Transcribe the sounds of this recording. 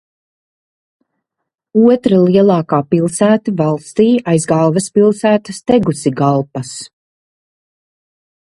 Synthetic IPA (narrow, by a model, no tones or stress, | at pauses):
uɔt̪ɾaliɛlˠɑːkaːpilˠsæːt̪ivɑlˠst̪iːajzɡɑlˠvɛspilˠsæːt̪ast̪ɛɡusiɡɑlˠpɐs